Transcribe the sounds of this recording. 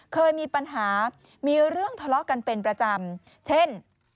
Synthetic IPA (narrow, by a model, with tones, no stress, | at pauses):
kʰɤː˧jmiː˧pa˧nɦaː˩˦ | miː˧ɾɯ˥˩əŋt̪ʰɔ˧lɔ˦˥ʔka˧npe˧npɾa˧t͡ɕa˧m | t͡ɕʰe˥˩n